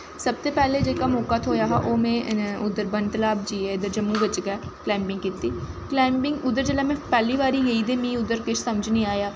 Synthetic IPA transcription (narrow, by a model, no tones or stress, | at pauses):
səb̚t̪eːpɛːleːd͡ʒeːkaːmoːkaːt̪ʰoːjaːɦa̰ːʔoːmẽːʊd̪əɾbənt̪əlaːbd͡ʒiːeːɪd̪əɾd͡ʒəmːũːʋɪt͡ʃɡɛːklɛːmpɪŋɡkiːt̪iːklɛːmpɪŋʊd̪əɾd͡ʒəlaːmɛ̃ːpɛːliːʋaːɾiːjəiːd̪eːmĩːʊd̪əɾkɪt͡ʃʰsəməd͡ʒnĩːaːjaː